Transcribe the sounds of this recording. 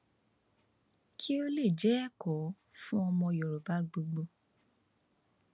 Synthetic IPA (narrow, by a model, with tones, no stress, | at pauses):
kʰi˦o˦le˦˨d͡ʒɛ˨˦ɛ˦kɔ˨˦ | fũ˦ɔ˧mɔ̃˧˨jɔ˨ɾo˨ba˨˦ɡ͡bo˧ɡ͡bo˧